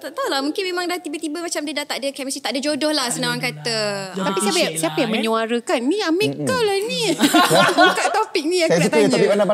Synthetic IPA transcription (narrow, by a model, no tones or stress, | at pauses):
t̪aʔt̪awlamũŋkɪnmemaŋdaht̪ibət̪ibəmat͡ʃamdiədaht̪aʔdəkamisit̪aʔdad͡ʒodɔhlahsənaankat̪ət̪apissiapajasiapajaŋmə̃ɲuaɾəkanːĩamekawlani | bukaʔt̪opik̚nĩakakasit̪ɲabibanaba